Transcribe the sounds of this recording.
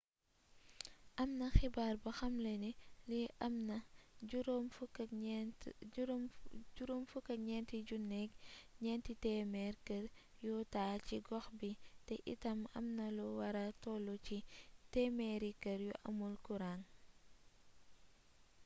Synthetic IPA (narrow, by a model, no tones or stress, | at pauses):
ʔɐmnɐxibaːrbɐxɐmleniliɐmnɐuɾomf | ɟuɾomfukɐɲɛntiɟunːɛkɲɛntitɛmɛɾkəɾ | jutaːciɡɔxbitɛʔḭtɐmɐ̰mnɐlɔwɐɾɐtɔːlɔcitɛmɛɾikɐɾjuʔɐ̰mulkuɾaːn